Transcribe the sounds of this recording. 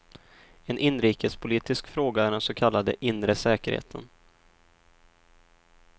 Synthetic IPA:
ɛnʔɪnːɾiːkʰəspʰʊliːt̪ɪskfɾoːɡaæːɾɛnsɔkʰalːad̪ə̰ʔɪnɾəsɛːkəɾhḛːt̪ʰə̰n

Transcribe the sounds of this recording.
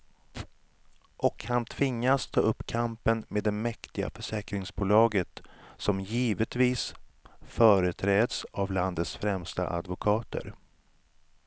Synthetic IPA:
ʔɔkhant̪ʰvɪŋːast̪ʰɑːʔɵpːkʰampənmeːd̪ːɛnmɛkt̪ɪɡa̰fœʂɛːkɾɪŋsbuːlɑːɡət̪sɔmjiːvət̪viːsfœːɾət̪ʰɾɛːd̪savland̪ət̪sfɾɛmst̪a̰ʔa̰d̪vʊkʰɑːt̪ə̰ɾ

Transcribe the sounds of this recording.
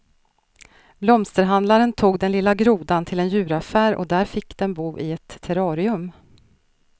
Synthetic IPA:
blɔmst̪əɾɦand̪laɾənt̪ʰuːɡd̪ɛnlɪlːaɡɾuːd̪ant̪ʰɪlɛnjʉ̟ːɾafæːɾɔ̰d̪æːɾfɪkːd̪̥ɛnbuːʔɪɛt̪ʰːɛɾɑːɾɪɵm

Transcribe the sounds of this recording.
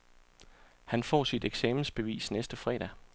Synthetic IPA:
hænfɒ̰ːsid̥eɡ̥sɛːmn̩sb̥e̝ʋḭːsnesd̥əfʁɛ̰ːɾ̥æ

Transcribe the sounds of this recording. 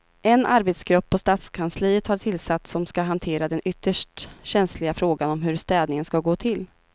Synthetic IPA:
ʔɛnʔaɾbet̪sɡɾɵpːɔst̪aːt̪skʰansliːət̪haʈʰɪlsat̪ːsɔmskaɦant̪ʰeːɾad̪ɛnʔʏt̪ʰːəʂʈɕɛnslɪɡafɾoːɡanɔmɦɵɾst̪ɛːd̪nɪŋənskaɡoːt̪ʰɪlː

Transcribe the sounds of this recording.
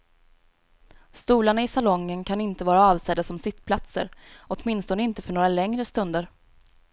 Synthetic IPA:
st̪uːlaɳaɪsalɔŋːənkʰanɪnt̪əvɑːɾaɑːvsɛd̪ːasɔmsɪt̪ːpʰlat̪sə̰ɾʔɔt̪mɪnst̪ɔnəɪnt̪əfœɳoːɾalɛŋɾəst̪ɵnd̪əɾ

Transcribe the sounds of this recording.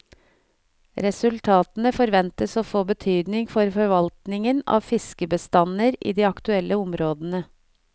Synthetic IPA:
ɾɛsʉlt̪ʰɑːt̪nəfɔɾʋɛnt̪əsoːfoːbət̪ʰyːd̪nɪŋfɔɾfɔɾʋɑlt̪nɪŋənɑ̰ːʋfɪskəbəst̪ɑnəɾḭːd̪iːɑkt̪ʉɛlʔəʊmɾoːd̪ənə

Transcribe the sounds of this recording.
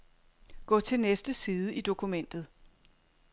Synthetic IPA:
ɡ̥ɔ̰ːt͡sʰe̝lnesd̥əsiːð̞ˠəid̥o̝kʰumen̰d̥ð̩ˠ

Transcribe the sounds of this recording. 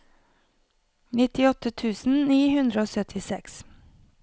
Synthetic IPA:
nɪt̪ɪɔt̪ət̪ʰʉːsn̩niːhʉnd̪ɾəoːsœt̪ʰɪsɛks

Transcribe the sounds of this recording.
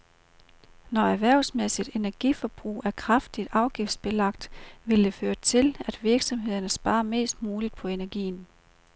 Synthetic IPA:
nɒæʋæɐ̰ʊsmesid̥e̝næɐɡ̥ifɒ̽b̥ʁṵːæɐkʰʁɑfd̥id̥ɑ̈ʊɡ̥ifd̥sb̥e̝lɑ̈ɡ̥d̥ʋe̝ld̥e̝føːɐt͡sʰe̝læd̥ʋiɐɡ̥sɒ̽mɦe̝ð̞ˠɐnəsb̥ɑ̈ːme̝̰ːsd̥muːlid̥̚pʰɒ̽e̝næɐɡ̥ḭːn̩

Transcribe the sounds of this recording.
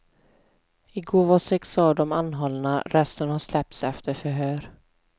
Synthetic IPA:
ɪɡoːvasɛksɑːd̪ɔmanːɦɔlnaɾɛst̪ənhaʂlɛp̚t̪sɛft̪ʰəɾfœɾɦøːɾ

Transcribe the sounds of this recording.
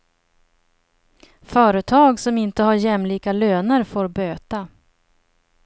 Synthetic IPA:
fœːɾət̪ʰɑːɡsɔmɪnt̪əhaɾjɛmliːkaløːnəɾfoːɾbøːt̪a

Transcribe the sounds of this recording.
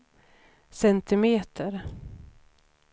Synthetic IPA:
sɛnt̪ɪmeːt̪ʰəɾ

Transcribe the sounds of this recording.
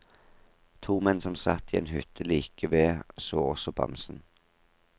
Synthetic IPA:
t̪ʰuːmɛnsɔmsɑt̪ːiːḛːnhʉt̪ʰəliːkəʋeːsoːɔsɔbɑ̰msn̩

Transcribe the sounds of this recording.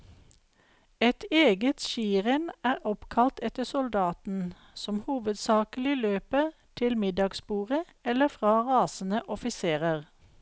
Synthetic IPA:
ɛt̪eːɡət̪ʃiːʁənæːʁɔpkʰɑlt̪ʰɛt̪əsʊld̪ɑːt̪n̩ | sɔmhuːʋəd̪sɑːkəl̩ɪløːpəʁt̪ʰɪlmɪd̪ɑɡsbuːʁə | ɛləfʁɑːʁɑːsn̩əʔɔfɪseːʁəʁ

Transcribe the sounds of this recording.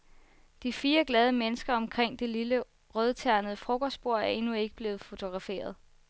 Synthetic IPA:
d̥ifiːɐɡ̥lɛð̞ˠəmenəsɡ̥ɐɒ̽mkʰʁeŋ̰d̥e̝lilə | ʁœð̞ˠt͡sʰæɐnəð̩ˠəfʁɔɡ̥ɐsb̥o̝ɐ̰æɐe̝nue̝ɡ̥əb̥le̝ːð̩ˠfo̝t͡sʰo̝ɡ̥ʁɑ̈fe̝̰ːɐð̞ˠ

